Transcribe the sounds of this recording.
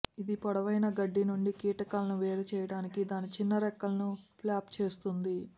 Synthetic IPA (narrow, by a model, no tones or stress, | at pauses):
id̪ipɔɽɐʋɐjnɐɡɐɖːinuɳɖikiːʈɐkaːlɐnuʋeːɾɐt͡ʃɛːjɐɽaːnikid̪aːnit͡ʃinːɐɾɛkːɐlɐnuplaːpt͡ʃe̞ːst̪und̪i